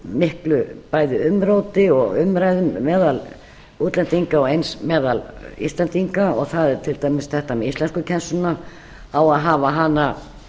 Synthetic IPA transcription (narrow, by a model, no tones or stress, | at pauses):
mɪhklʏpaːjðɪʏmɾoːwt̪ɪɔɣʏmɾajðʏmɛːðal | uːt̪lɛnt̪iŋkaɔejnsmɛːðalḭst̪lɛnt̪iŋkaɔɣθaðɛɾ̥t̪ʰɪlt̪aːjmɪsθɛht̪amɛðist̪lɛnskʏcʰɛnsʏna | awaðɦaːvaɦanːa